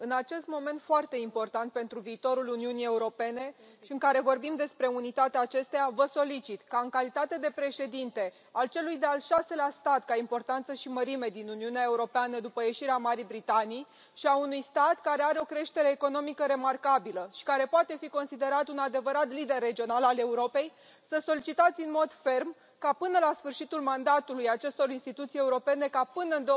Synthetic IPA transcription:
ɨnat͡ʃe̞st̪mo̞me̞nt̪foart̪e̞impo̞rt̪ant̪̚pe̞nt̪ɾuviːt̪o̞ɾuluniunije̞uɾo̞pe̞ne̞ | ʃiɨŋkaɾe̞vo̞rbimd̪e̞spɾe̞unit̪at̪eaːt͡ʃe̞st̪ejavəso̞lit͡ʃit̪kaɨŋkalit̪at̪e̞d̪e̞pɾe̞ʃe̞d̪int̪e̞ | alt͡ʃe̞lujd̪ealʃaselast̪at̪kaimpo̞rt̪ant̪səʃiməɾime̞d̪inuniuneae̞uɾo̞peanəd̪upəje̞ʃiɾeamaɾibɾit̪anij | ʃiaunujst̪at̪kaɾeaɾeo̞kɾe̞ʃt̪e̞ɾe̞ːko̞no̞mikəɾe̞markabiləʃi̥kaɾe̞poat̪e̞fiko̞nsid̪e̞ɾat̪unad̪e̞vəɾat̪lid̪e̞rːe̞d͡ʒio̞nalale̞uɾo̞pe̞j | səso̞lit͡ʃit̪at̪sʲɨnmo̞d̪fe̞rm | kapɨnəlasfɨrʃit̪ulmand̪at̪ulujat͡ʃe̞st̪o̞ɾinst̪it̪ut̪sije̞uɾo̞pe̞ne̞kapɨnəɨnd̪o

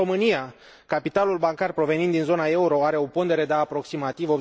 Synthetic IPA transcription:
o̞mɨnija | kapit̪alulbaŋkarpɾo̞ve̞nint̪inzo̞nae̞uɾo̞aɾe̞o̞po̞nd̪e̞ɾe̞d̪eːpɾo̞ksimat̪ivo̞b

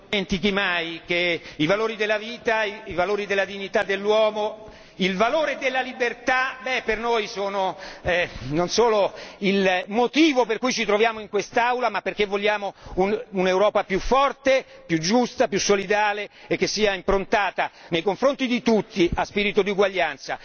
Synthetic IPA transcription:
ent̪ikimajkeivaloːɾid̪elːaviːt̪aiivaloːɾid̪elːad̪iɲːit̪ad̪ːelːwɔːmo | ilvaloːɾed̪elːalibert̪abɛpːernojsoːnoɛnonsoːloilmot̪iːvoperkujt͡ʃit̪ɾovjaːmoiŋkwest̪awlamapːerkevːoʎːjaːmoununewɾɔːpapjufːɔrt̪epjud͡ʒust̪apjusːolid̪aːleek̟ːesːiːaimpɾont̪aːt̪anejkoɱfɾont̪id̪it̪ut̪ːiʔaspiːɾit̪od̪iuɡwaʎːant̪sa̰

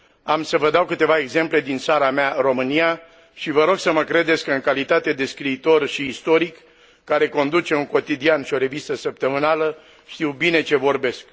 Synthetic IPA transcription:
amsəvəd̪awkɨt̪e̞vae̞ɡze̞mple̞d̪int̪saɾameaɨro̞mɨnija | ʃivəɾo̞ɡsəməkɾe̞d̪e̞t̪sʲkɨŋkalit̪at̪e̞d̪e̞skɾiːt̪o̞rʃiːst̪o̞ɾikː | aɾe̞ko̞nd̪ut͡ʃe̞uŋko̞t̪id̪ianʃio̞ɾe̞vist̪əsəp̚t̪əmɨnalə | ʃt̪iwbine̞t͡ʃe̞vo̞rbe̞sk

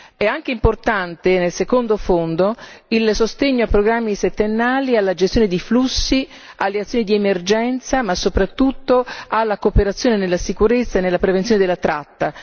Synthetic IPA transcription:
ɛaŋk̟eimport̪ant̪enelsekond̪ofond̪oilsost̪eɲːoapːɾoɡɾamːiset̪ːenːaːlialːad͡ʒest̪joːned̪iflusːi | alːeat̪sːjonid̪iemerd͡ʒɛnt̪samasːopɾat̪ːut̪ːoalːakopeɾat̪sːjoːnenelːasikuɾet̪sːaenːelːapɾevenjoned̪elːat̪ɾat̪ːa

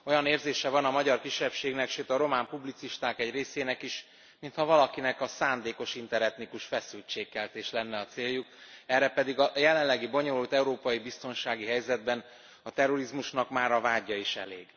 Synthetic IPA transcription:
o̞jɒneːrzeːʃɛvɒnɒmɒɟɒrkiʃːɛpʃeːɡnɛkʃøːt̪ɒɾo̞maːmpublit̪siʃt̪aːkɛɟreːseːnɛkiʃ | mint̪hɒvɒlɒkinɛkɒsaːnd̪eːko̞ʃint̪ɛɾɛt̪nikuʃfɛsylt͡ʃeːkːɛlt̪eːʃlɛnːɛɒt̪seːjːukɛrːɛpɛd̪iɡɒjɛlɛnlɛɡibo̞ɲo̞lult̪ɛuɾoːpɒjibist̪o̞nʃaːɡiɦɛjzɛd̪̚bɛn | ɒt̪ɛro̞ɾizmuʃnɒkmaːɾɒvaːɟːɒiʃɛ̰leːɡ

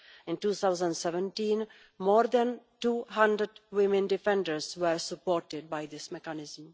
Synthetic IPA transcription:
ɪ̃nʈuːt̪ʰaʊzə̃nɖsɛʋə̃nʈĩːn | mɔːɾd̪æ̃nʈuːhãnɖɾəɖʋɪmɪ̃nɖɪfɛ̃nɖəɾsʋəɾsəpɔːɾʈɪɖ̚baɪd̪ɪsmɛkanɪzəm

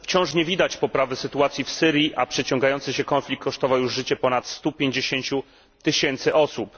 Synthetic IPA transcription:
ft͡ɕɔ̃w̃ʂɲɛvʲid̪at͡ɕpɔpɾavɘsɘt̪uat̪sʲjifsɘɾʲjiʔa̰pʂɛt͡ɕɔ̃ŋɡajɔnt̪sɘɕɛkɔnflʲikːɔʂt̪ɔvawjuʐʐɘt͡ɕɛpɔnat̪st̪upʲjeɲd͡ʑeɕeɲt͡ɕu | t̪ɘɕɛnt̪sɘʔɔsup

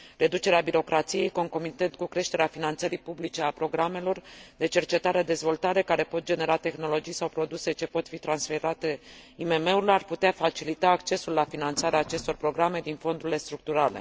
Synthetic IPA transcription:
re̞d̪ut͡ʃe̞ɾeabiɾo̞kɾʔat̪sije̞jko̞ŋko̞mit̪ent̪̚kukɾe̞ʃt̪e̞ɾeafinant̪səɾipublit͡ʃe̞apɾo̞ɡɾame̞lo̞rd̪e̞t͡ʃe̞rt͡ʃe̞t̪aɾed̪e̞zvo̞lt̪aɾe̞kaɾe̞po̞t̪̚d͡ʒe̞ne̞ɾat̪e̞xno̞lo̞d͡ʒijsawpɾo̞d̪use̞t͡ʃe̞po̞t̪fit̪ɾansfeɾat̪e̞ime̞me̞uɾilearput̪eafat͡ʃilit̪aːkt͡ʃe̞sulːafinant̪saɾeaːt͡ʃe̞st̪o̞rpɾo̞ɡɾame̞d̪info̞nd̪uɾile̞st̪ɾuk̚t̪uɾale̞̰

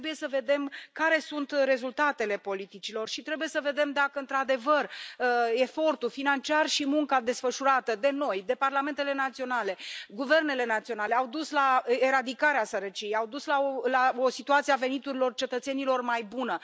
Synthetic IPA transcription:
buje̞səve̞d̪e̞mkaɾe̞sunt̪ɾe̞zult̪at̪e̞le̞po̞lit̪it͡ʃilo̞rʃit̪ɾe̞buje̞səve̞d̪e̞md̪akəɨnt̪ɾad̪e̞vərəe̞fo̞rt̪ufinant͡ʃiarʃimuŋkad̪e̞sfəʃuɾat̪əd̪e̞no̞jd̪e̞parlame̞nt̪e̞le̞nat̪sio̞nale̞ɡuve̞rne̞le̞nat̪sio̞nale̞awd̪uslaeɾad̪ikaɾeasəɾət͡ʃijejawd̪uslaolaosit̪uat̪siave̞nit̪uɾilo̞rt͡ʃe̞t̪ət̪se̞nilo̞rmajbunə

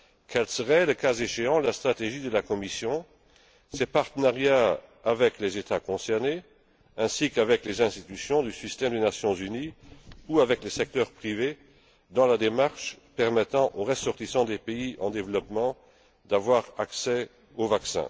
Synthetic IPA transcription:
kʰɛlsəʁɛləkazeʃeɑ̃last̪χat̪eʒid̪əlakɔmisjɔ̃ | sepaʁt̪ənaʁjaːvɛklezet̪akɔ̃sɛʁne | ɛ̃sikavɛklezɛ̃st̪it̪ysjɔ̃d̪ysist̪ɛmd̪enasjɔ̃zyniuavɛklesɛk̚t̪œʁpχive | d̪ɑ̃lad̪emaʁʃpɛʁmɛt̪ɑ̃ʔoʁəsɔʁt̪isɑ̃d̪epeiʔɑ̃d̪evlɔpmɑ̃ | d̪avwaʁaksɛ | ovaksɛ̰̃

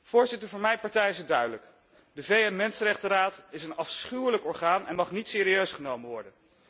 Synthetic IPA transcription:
v̥ʊːɹzɪtəɹvʊːɹmɛjpɑɹtɛjɪsədœɥdələk | dəvejɛnmɛnsənrɛχtəraːtɪsənɑfsχywləkɔɹχaːnɛ̰nmɑχnitsɪːɾiøɥsχənowmənʋɔɹdən

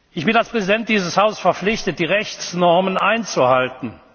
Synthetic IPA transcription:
ʔɪçb̥ɪnalspʁ̥ɛzidɛnt̚d̥iːzəshaʊzəsfɛɐflɪçtət̚d̥iːʁɛçt͡snɔɐmənʔaɪnt͡suhaltn̩

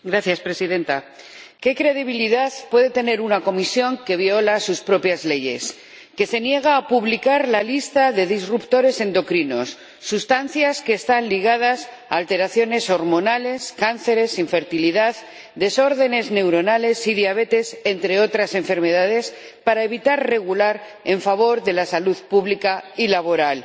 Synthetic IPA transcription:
ɡɾaθjaspɾe̞siðẽ̞nt̪a | ke̞kɾe̞ðiβ̞iliðaðpwe̞ðe̞t̪e̞ne̞ɾunako̞misjo̞ŋke̞β̞jo̞lasuspɾo̞pjazle̞ʝe̞̰s | ke̞se̞nje̞ɣ̞aːpuβlikaɾlalist̪aðe̞ðizrupt̪o̞ɾe̞se̞nd̪o̞kɾino̞sː | ust̪an̟θjaske̞ːst̪anliɣað̞as | a̰ːlt̪e̞ɾaθjo̞ne̞so̞ɾmõ̞nale̞skan̟θe̞ɾe̞siɱfe̞ɾt̪iliðað | d̪e̞so̞ɾðe̞ne̞zne̞wɾo̞nale̞siðjaβe̞t̪e̞se̞nt̪ɾe̞o̞t̪ɾase̞ɱfe̞ɾme̞ð̞aðe̞s | paɾae̞βit̪aɾre̞ɣ̞ulaɾ | e̞ɱfaβ̞o̞ɾðe̞lasaluðpuβlikailaβo̞ɾal

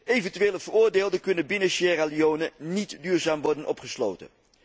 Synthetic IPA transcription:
ejvəntyʋeːləvəɹʊːɹdeːlˠdəkɵnənbɪnəʃɛraliownənitdyːɹzaːmʋɔɹdənʔɔpχəslo̰ːwtə̰n

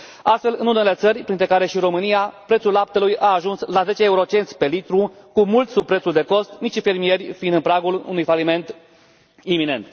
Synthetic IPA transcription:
ast̪fe̞lɨnune̞le̞t̪sərʲpɾint̪ɾe̞kaɾe̞ʃiɾo̞mɨniapɾet̪sulːap̚t̪elujʔaːʒunslaze̞t͡ʃeːuɾo̞t͡ʃe̞nt̪sʲpe̞lit̪ɾu | kumult̪sub̚pɾe̞t̪surʲd̪e̞ko̞st̪nitt͡ʃife̞rmije̞rʲfiind̪ɨnpɾaɡulṵnujfalime̞nt̪ | imine̞̰nt̪

